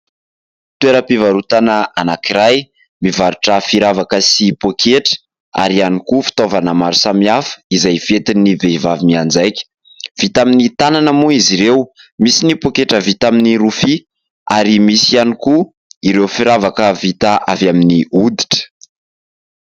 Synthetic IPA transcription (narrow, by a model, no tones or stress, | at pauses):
t̪ueɾəpivaɾut̪anəanakiɾaj | mivaɾuʈ͡ʂəfiɾavakəsipokʰeʈ͡ʂə̥ | a̰ɾianikufi̥t̪ovanəmaɾusamiafə̥izajv̥et̪iniveivavimiand͡zajkʲə̥ | v̥it̪aminit̪ananəmuiziɾewmisinipokeʈ͡ʂəvit̪aminiɾufi | aɾimisianiku | iɾewfiɾavakəvit̪aʔavjaminiud̪i̥ʈ͡ʂə̥